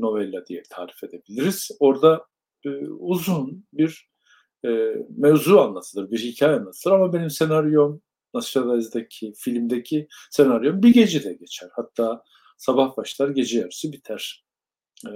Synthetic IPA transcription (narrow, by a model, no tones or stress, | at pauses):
no̞vɛlʲːad̪ijɛt̪ʰaːlʲife̞d̪e̞bilʲiɾiz̥o̞ɾd̪a | uzunbiɾ | ɛmevzuanlˠat̪ʰɯlˠɯɾbiɾhicʰaːjɛanlˠat̪ʰɯlˠɯɾamabe̞nimse̞naɾjo̞m | nasɾalˠazd̪acʰifilʲmd̪ecʰise̞naɾjo̞nbiɟe̞d͡ʒid̪ɛɟe̞t͡ʃʰæɾ̥hat̪ʰːaː | sabahbaʃlˠaɾɟe̞d͡ʒijaɾisibit̪ʰæɾ̥